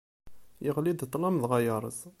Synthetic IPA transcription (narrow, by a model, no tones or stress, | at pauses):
jəʁlid̪t̪ˤːlɑmðʁɑjɑɾˤə̰z